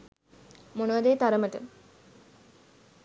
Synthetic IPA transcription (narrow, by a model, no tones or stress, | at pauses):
monəʋad̪eːt̪aɾəməʈə